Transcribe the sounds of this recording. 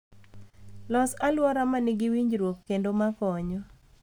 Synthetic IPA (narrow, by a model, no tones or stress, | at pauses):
lɔsalwɔɾamanɪɡɪwiɲd͡ʒɾwokːendomakɔɲɔ